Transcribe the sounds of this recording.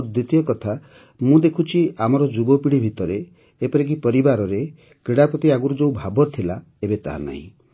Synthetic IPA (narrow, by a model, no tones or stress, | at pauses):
d̪ɾit̪ijɔkɔt̪ʰa | mũd̪ekʰut͡ʃʰiamɔɾɔd͡ʒubɔpiɽibʱit̪ɔɾeː | pɔɾik̬ipɔɾibaɾɔɾe | kɾiɽapɾɔt̪iaɡuɾud͡ʒoubʱabɔt̪ʰila | ebet̪a̰ɦa̰na̰ɦḭ̃